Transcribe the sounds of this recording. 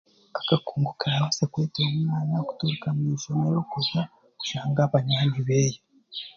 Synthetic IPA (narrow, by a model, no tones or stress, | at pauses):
ḁkakuːŋɡukaɾaβasekweːteomumaːnaku̥tuɾukamiʒonejokuɾja | ku̥ʃaːŋɡaβaɲaːniβeːjo